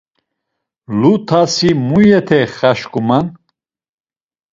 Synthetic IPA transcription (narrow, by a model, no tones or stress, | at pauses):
lut̪ʰasimujɛt̪ʰɛχaʃkʼuman